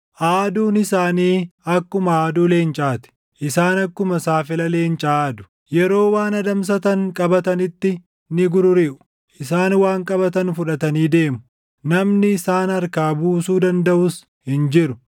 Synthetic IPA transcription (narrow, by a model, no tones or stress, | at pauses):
ʔaːd̪uːnɪsaːniːɐkːʊmɐaːd̪uːleːnt͡ʃʼaːt̪ɪ̥ | ʔɪsaːnɐkːʊmɐsaːfɪlɐle̞ːnt͡ʃʼaːd̪ʊ̥ | jɛɾo̞ːwaːnɐd̪ɐms̬ɐt̪ɐŋkʼɐbɐt̪ɐnɪt̪ːɪ | nɪɡʊɾʊɾɪʔʊ̥ | ʔɪsaːnwaːŋkʼɐbɐt̪ɐnfʊᶑɐt̪ɐniːd̪e̞ːmʊ | nɐmnɪːsaːnɐɾkaːbuːsuːd̪ɐnd̪ɐʔʊs | hɪnd͡ʒɪɾʊ